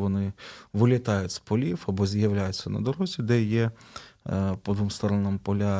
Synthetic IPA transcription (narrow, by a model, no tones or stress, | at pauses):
ʋɔnɪʋɪlʲɐt̪ɑjʊtʲspɔlʲifɐbɔzʲjɐwlʲajʊtʲt͡sʲːɐnɐ̰d̪ɔɾɔzʲid̪ɛjɛ | pɔd̪ʋumst̪ɔɾɔnɐmpɔlʲa